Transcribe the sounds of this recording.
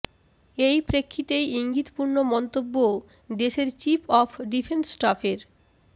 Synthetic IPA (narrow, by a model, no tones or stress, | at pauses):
ejpɾekʰːit̪ejiŋɡit̪puɾnomɔnt̪obːo | d̪eʃeɾt͡ɕipʰɔfʰɖifʰenssʈafeɾ